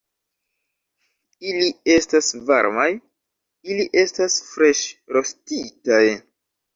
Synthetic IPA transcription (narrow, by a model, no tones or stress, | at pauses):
ilie̞stasva̰ɾmaj | iliʔe̞stasfɾe̞ʃɾo̞stitaj